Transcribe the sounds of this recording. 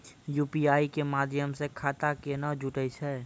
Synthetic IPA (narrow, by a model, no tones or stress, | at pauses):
juːpiaːikemaːd̪ʱjəmsekʰaːt̪akenad͡ʒʱʊʈəisʰɛː